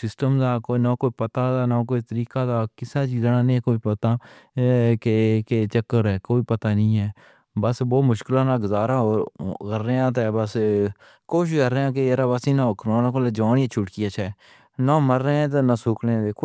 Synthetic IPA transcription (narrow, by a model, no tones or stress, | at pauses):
sɪsʈəmd̪aːkoːnaːkoːiːpət̪aːd̪aːnãːk̬oːiːt̪əɾiːkaːd̪aːkɪsaːt͡ʃiːzaːnaːnĩːkoːiːpət̪aː | keket͡ʃəkːəɾɛːkoːiːpət̪aːnəĩːɛː | bəsboːmʊʃkɪlãːnaːɡʊzaːɾaːoːɾkəɾːeːãːt̪̬eːbəs | koːʃ̬kəɾeãːk̬eeɾaːbəsĩːnãːʊkmãːnãkoleːd͡ʒaːniẽt͡ʃʰʊʈkiat͡ʃʰɛː | naːməɾːẽːt̪̬eːnãːsʊːkɽẽd̪eːkʰo